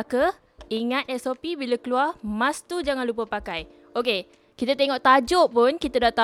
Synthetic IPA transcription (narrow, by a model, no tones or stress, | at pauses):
kə | iŋat̪̚ɛsopibilakəluarmãst̪ud͡ʒaŋanlup̬əpakaj | oke | kit̪at̪eŋɔʔt̪ad͡ʒoʔpʊnkit̪adaʔt̪a